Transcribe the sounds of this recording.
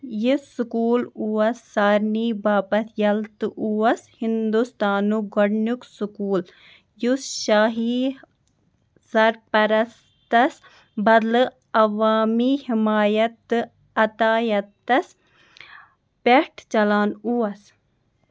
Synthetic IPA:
jisukuːluɐsːaːɾniːbaːpɐt̪ʰjɐlt̪ʔuɐshind̪ust̪aːnuɡɐɽnuksukuːl | jusʃaːɦi | sɐɾpɐɾɐs | t̪ɐs | bɐd̪lɨ | ɐʋaːmiːhimaːjɐt̪ | ɐt̪aːjɐt̪ɐs | peʈʰt͡ʃɐlaːnuːɐs

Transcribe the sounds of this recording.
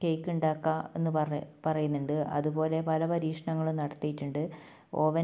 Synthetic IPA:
kejkːuɳɖaːkːaːe̞nːɨpɐrɐjunːuɳɖɨʔɐ̰ðubo̞ːle̞pɐlɐpɐɾiːʂɐɳɐŋːɐɭunɐɽɐt̪ːijiʈːuɳɖɨ | o̞ːʋɐ

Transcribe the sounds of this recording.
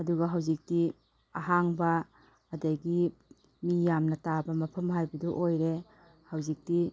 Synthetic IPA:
ɐduɡɐɦawzik̚ti | aɦaŋbɐː | dajɡi | mijamnɐtabɐmɐpʰɐmɦajbɐduʔojɾe | hawzik̚ti

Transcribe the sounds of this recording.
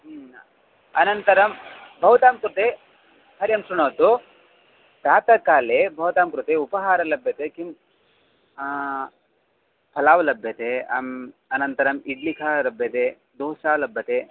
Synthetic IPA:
ɐnɐnt̪ɐɾɐmbʱɐʋt̪aːmkɾut̪e | hɐɾjɐmsɾuɳɐːt̪u | t̪aːt̪ɐkaːlebʱɐʋt̪aːmkɾut̪eupɐɦaːɾɐlɐbʱjɐt̪ekim | pʰɐlaːʋɐlɐbʱjɐt̪eɐmɐnɐnt̪ɐɾɐmiɖlikʰaːlɐbʱjɐt̪e | d̪uːʃaːlɐbʱːɐt̪e

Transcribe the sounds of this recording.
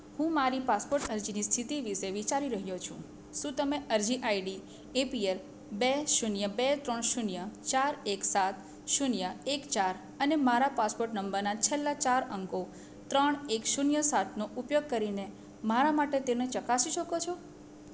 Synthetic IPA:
hũmaɾipaspoɾʈəɾd͡ʒinist̪ʰit̪iʋiʃeʋit͡ʃaɾiɾəɦjot͡ʃʰṵ̃ | ʃũt̪əmeʔəɾd͡ʒiʔajɖi | epiel | beʃunjəbet̪ɾəɳʃunjət͡ʃaɾeksat̪ | ʃunjəekt͡ʃaɾ | ənemaɾapaspoɾʈnəmbəɾnat͡ʃʰelːat͡ʃaɾəŋko | t̪ɾəɳekʃunjəsat̪ʰnoʔupjoɡ̚kəɾine | maɾamaʈet̪enet͡ʃəkasiʃəkot͡ʃʰɔ

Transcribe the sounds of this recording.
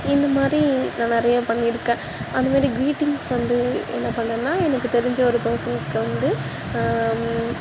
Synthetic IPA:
ɪnd̪ɐmaːd̪ɾinãːnɪɾɐjõːpɐɳːɪɾɯkːẽː | ɐnd̪ɐmaːd̪ɾiɡɾiːʈːɪŋɡsʋɐnd̪ɯɛ̰nːɐpɐɳːɐ̃ːnːaːɛnɐkːɯt̪ɛɾɪɲd͡ʒɐɔɾɯpɛɾsɐnɯkːɯʋɐnd̪ɯ

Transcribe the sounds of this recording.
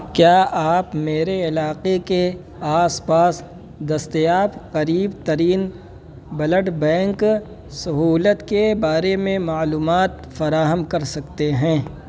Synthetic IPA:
kjaːʔaːpmeːɾeɪlaːqeke | aːspaːs | d̪ɐst̪ejaːbqɐɾiːbt̪ɐɾiːn | bɐləɖbɛ̃ːŋk | sɐɦuːlət̪kebaːɾemẽmaːluːmaːt̪ | fɐɾaːɦəmkɐɾsɐkt̪eɦɛ̃ː

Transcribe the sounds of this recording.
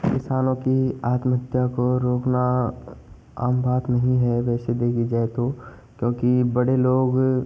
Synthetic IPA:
kɪsaːnõkiaːt̪mɦət̪jakoɾoːkna | a̰ːmbaːt̪nɐɦĩɦɛʋɛːsed̪eːɡid͡ʒaːet̪oː | kjõːkibɐɽeloːɡ

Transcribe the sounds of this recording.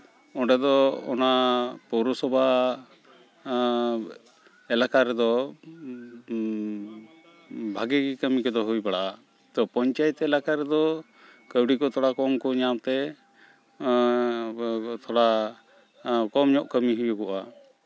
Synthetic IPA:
ɔɖɛd̪ɔɔ̰napɔwɾɔsɔbʱa | ɛlakaɾɛd̪ɔ | bʱaɡɛɡikəmikɔd̪ɔɦujbaɽaʔa | t̪ɔpɔɲt͡ʃajɛt̪ɛlakaɾɛd̪ɔ | kəwɽikɔt̪ʰɔɽakɔmkɔɲamt̪ɛ | t̪ʰɔɽa | kɔmɲɔʔkəmiɦujɔkɔʔa

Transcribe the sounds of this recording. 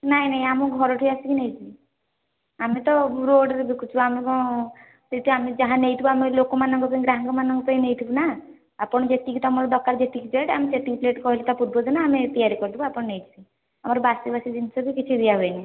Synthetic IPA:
naɦĩnaɦĩamuɡʱɔɾɔʈʰiasikinejt̪ʰii | amet̪ɔɾoɖɾebikut͡ʃʰuamekɔɽ̃ɔ | t̪et̪iamed͡ʒaɦãnejt̪ʰibuamelokomanɔŋɡɔpɔĩɡɾaɦŋɡɔmanɔŋɡɔpainejt̪ʰibuna | apɔɽ̃ɔd͡ʒet̪ikit̪ɔmɔɾɔd̪ɔkaɾd͡ʒet̪ikid͡ʒɔjʈamit͡ʃeʈ̪iŋpleʈkɔɦilit̪apuɾbɔd̪inaːmet̪ijaɾikɔɾt̪ʰibuapɔɽ̃ɔnejt̪ʰi̥bi | amɔɾɔbasibasid̪int̪isɔɡikit͡ʃʰid̪ijaɦoena

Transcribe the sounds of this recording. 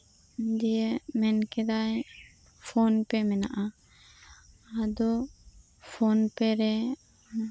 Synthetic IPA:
d̪ijəmɛnkɛd̪aj | pʰɔnpɛmɛna̰ʔa | ad̪ɔ | pʰɔnpɛɾɛ

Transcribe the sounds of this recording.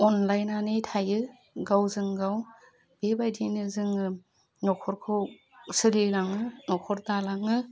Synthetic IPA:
ɔnlajnanejtʰajɯ | ɡawzɯŋɡaw | b̥ebajdinɯzɯŋɯ | nɔkʰɔɾkʰɔ | sɯlilaŋɯnɔkʰɔɾdalaŋɯ

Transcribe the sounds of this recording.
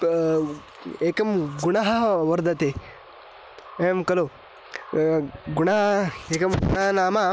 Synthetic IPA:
eːkɐmɡunɐɦɐʋɐɾd̪ʱɐt̪eː | eːmkɐloː | ɡunɐɦɐeːkɐmɡʊnɐɦɐnaːma

